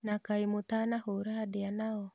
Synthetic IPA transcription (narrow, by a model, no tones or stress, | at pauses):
nakaemotanahoɾadeanaɔ